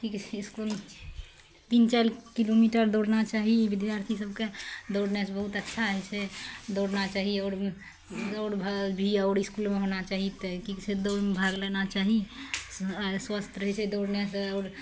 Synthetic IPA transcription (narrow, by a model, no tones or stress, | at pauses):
kikt͡ʃʰɛiskul | t̪int͡ʃajlkilomiʈəɾd̪oɽnat͡ʃaɦibid̪jaɾt̪ʰisəbked̪oɽnesbəɦut̪ətːʃʰaəɦɛt͡ʃʰɛd̪oɽnat͡ʃaɦiəʊɾ | oɾbʱabʱiəʊɾiskulmeɦonat͡ʃaɦit̪ɛkikt͡ʃʰɛd̪omebʱaɡlɛnat͡ʃaɦi | swast̪ʰɾəɦɛt͡ʃʰɛd̪oɽnesəːɾ